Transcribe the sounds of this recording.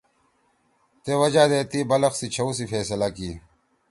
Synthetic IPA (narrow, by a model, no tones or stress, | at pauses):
t̪eːwɐd͡ʑaːd̪eːt̪iːbɐlɐxsit͡ɕʰɐwsifeːsɐlakiː